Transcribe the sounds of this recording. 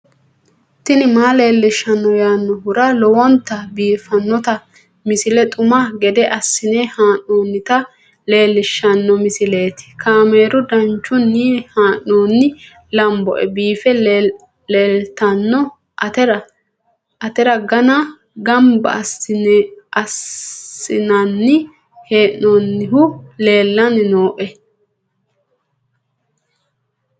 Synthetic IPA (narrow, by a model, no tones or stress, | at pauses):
t̪ɪnɪmaːleːlːɪʃːɐnːɔjaːnːɔhʊɾɐlɔwɔnt̪ːɐbiːfɐnːɔt̪ɐ | mɪsɪlɛt̪ʼʊmɐɡɛd̪ɛʔɐsːɪnɛhaːnːoːnːɪt̪ɐ | le̞ːlːɪʃːɐnːɔmɪsɪle̞ːt̪ɪ̥kʰaːmeːɾʊd̪ɐnt͡ʃːʊnːiːhaːnːoːnːɪ | lɐmbɔ̰ʔɛbiːfɛ | leːlt̪ɐnːɔ | tɛɾɐ | ɐt̪ɛɾɐɡɐna | ɡɐmbɐ̰s | ɐs | ɪnɐnːɪ | heːʔːoːnːɪhʊle̞ːlːɐnɪno̞ːʔɛ